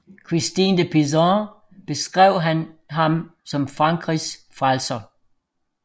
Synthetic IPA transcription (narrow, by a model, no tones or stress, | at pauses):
kʰʁisd̥ind̥əpʰisɑ̃ | b̥e̝sɡ̥ʁɛʊ̰ɦænɦɑ̈msɒ̽mfʁɑ̈ŋɡ̥ʁisfʁalsɐ